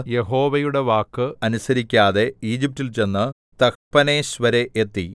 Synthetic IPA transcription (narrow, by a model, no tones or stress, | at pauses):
je̞ɦo̞ːʋɐjuɽe̞ʋaːkːɨɐnusɐɾikʲːaːðe̞iːd͡ʑip̚tilt͡ɕe̞nːɨ | t̪ɐkpɐneːɕʋɐɾe̞ʔet̪ːi